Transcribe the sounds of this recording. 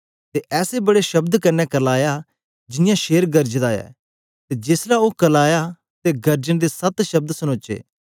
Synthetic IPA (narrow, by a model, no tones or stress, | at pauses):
t̪eʔɛːsebɐɽeʃɐbd̪kɐɾnɛkɐlaːja | d͡ʒɪnɪjãʃeːɾɡɐɾd͡ʒd̪aːjɛ̰ː | t̪ed͡ʒeːslaokɐlaːja | t̪eɡɐɾd͡ʒəɽ̃d̪esɐt̪ʃɐb̚d̪sɐñõːt͡ʃḛː